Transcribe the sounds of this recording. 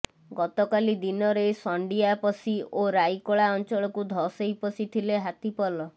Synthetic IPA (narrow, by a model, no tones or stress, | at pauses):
ɡɔt̪ɔkalid̪inɔɾejsɔɳɖijapɔsioɾajkɔɭaɔnt͡ʃɔɭɔkud̪ʱɔsejpɔsit̪ʰileɦat̪ipɔlɔ